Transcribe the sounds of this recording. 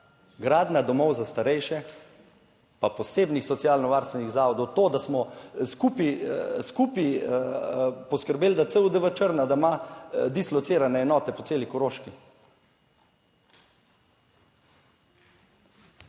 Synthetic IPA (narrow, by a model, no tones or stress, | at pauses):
ɡɾaːd̪nad̪ɔmɔwzast̪aɾɛjʃɛ | papɔseːbnixsɔt̪siaːlnɔʋaːɾst̪ʋɛniɣzaːʋɔd̪ɔwt̪oːd̪asmɔskupiskupi | pɔskəɾbeːld̪at̪səud̪əʋət͡ʃəɾnad̪amad̪islɔt̪seːɾanɛːnɔːt̪ɛpɔt̪seːlikɔɾoːʃki